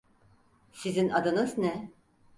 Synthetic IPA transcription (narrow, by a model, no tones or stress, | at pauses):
sizinad̪ɯnɯznɛ